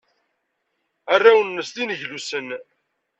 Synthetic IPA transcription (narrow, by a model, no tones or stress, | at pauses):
arːawənːəst̪inəʝlusən